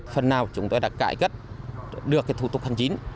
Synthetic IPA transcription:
fə˨˩nːaː˨˩wt͡ɕʊ˨˦ŋ͡mt̪o˧jɗa̰ː˧˥kka̰ː˧˨jkə˦˥t̚ɗɨ˨˩əkːaː˨˦jt̪ʰu˧˩t̪ʊ˨˩k̚ha˧˩ŋt͡ɕi˨˦n

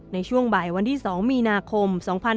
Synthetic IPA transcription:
na˧jt͡ɕʰu˥˩əŋbaː˨˩jwa˧nt̪ʰiː˥˩sɔː˩˦ŋmiː˧naː˧kʰo˧msɔː˩˦ŋpʰa˧n

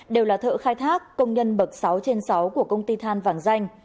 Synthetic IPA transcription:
ɗe˨˩wlaː˨˩t̪ʰə̰ː˧˨xaː˧jt̪ʰaː˦˥kːə˧wŋ͡mɲə˧nɓə˨˩k̚sa˨˦wt͡ɕe˧nsa˨˦wku˧˩əkə˧wŋ͡mt̪i˧t̪ʰaː˧nvaː˧˩ŋza˧jŋ̟

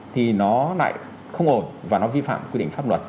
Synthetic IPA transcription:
t̪ʰi˨˩nɔ˨˦la̰ː˧˨j | xə˧wŋ͡mʔo˨˩nvaː˨˩nɔ˨˦vi˧fa̰ː˧˨mkwi˦˥ɗ̰ŋ̟faː˦˥p̚lwə˨˩t̚

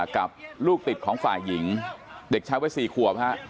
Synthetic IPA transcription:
ka˨˩p̚luː˥˩k̚t̪i˨˩t̪̚kʰɔː˩˦ŋfa̰ː˨˩ji˩˦ŋde˨˩k̚t͡ɕʰaː˦˥jwaː˦˥jsiː˨˩kʰu˨˩əp̚ha˦˥ʔ

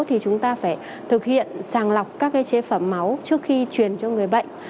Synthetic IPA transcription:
t̪ʰi˨˩t͡ɕʊ˨˦ŋ͡mt̪aː˧faː˧˩j | t̪ʰɨ˨˩k̚hḭ˧˨ənsaː˨˩ŋla˨˩wk͡p̚kaː˦˥kːaː˨˦jt͡ɕe˨˦fə˧˩mːa˨˦wt͡ɕɨ˦˥ək̚xi˧t͡ɕwi˨˩ənt͡ɕɔ˧ŋɨ˨˩əjɓə̰˧˨jŋ̟

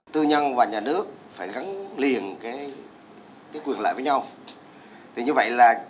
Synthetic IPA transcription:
t̪ɨ˧ɲə˧nvaː˨˩ɲaː˨˩nɨ˦˥ək̚faː˧˩jɣa˨˦ŋli˨˩ənkaː˨˦j | kaː˨˦jkwi˨˩ənla̰ː˧˨jvəː˨˦jɲa˧w | t̪ʰi˨˩ɲɨ˧və̰˧˨jlaː˨˩

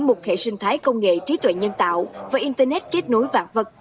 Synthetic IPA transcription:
mo˨˩t̚xḛ˧˨sï˧ŋ̟t̪ʰaː˨˦jkə˧wŋ͡mŋḛ˧˨t͡ɕi˨˦t̪wḛ˧˨ɲə˧nt̪a̰ː˧˨wvaː˨˦jʔi˧nt̪əː˧nɛ˦˥t̚ke˦˥t̚no˨˦jvaː˧˨˩t̚və˨˩t̚

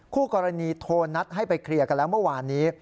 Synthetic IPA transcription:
kʰuː˥˩kɔː˧ɾa˧niː˧t̪ʰoː˧nːa˦˥t̪̚hɦa˥˩jpa˧jkʰɾi˧˩əka˧nlɛː˦˥wmɯ˥˩waː˧nːiː˦˥

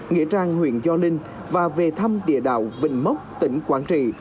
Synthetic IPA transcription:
ŋḭ˧˥ət͡ɕaː˧ŋhwḭ˧˨ənzɔ˧lï˧ŋ̟ | vaː˨˩ve˨˩t̪ʰə˧mɗḭ˧˨əɗa̰ː˧˨wvḭ̈˧˩ŋ̟mə˦˥wk͡p̚t̪ï˧˦ŋ̟kwaː˨˦˥nt͡ɕḭ˧˨

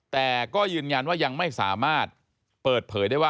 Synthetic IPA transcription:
t̪ɛː˨˩kɔː˥˩jɯː˧nja˧nwaː˥˩ja˧ŋma˥˩jsa̰ː˩˦maː˥˩t̪̚ | pɤː˨˩t̪̚pʰɤː˩˦jdaː˥˩waː˥˩

